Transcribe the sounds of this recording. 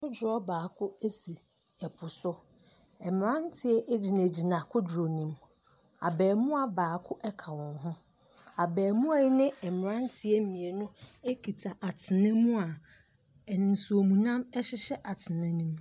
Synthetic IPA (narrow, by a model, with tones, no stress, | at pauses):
ʊ˦d͡ʑʊ˨ɾɔ˦baː˨kʰʊ˦e˦si˨ | ɛ˨pʰʊ˨sʊ˦ | ɛ˨m˨ɾã˦n˦tʰɪ˦ɛ˦ʔe˦d͡ʑi˨næ˨d͡ʑi˨nã˨kʰʊ˦d͡ʑɾo˨nĩ˦m | a̰˨bɛː˨mʊ̃˦a˨baː˨kʰʊ˦ʔɛ˦kʰa˨wɔ̃˨nɦʊ̃˦ | a˨bɛː˨mũ˦a˨ji˦nɪ̃˦ɛ˨m˨ã˦n˦tʰɪ˦ɛ˦mĩ˨e˨nʊ̃˦e˦kʰi˨tʰa˨ʔa˨tʰɪ˨nɛ̃˦mũ˦a˨ | ɛ˨nɪ̃˨n̩˨su˨o˨mũ˨nã˦mɛ˦ɕɪ˦ɕɛ˦ʔa˨tʰɪ˨nɛ̃˦nĩ˦m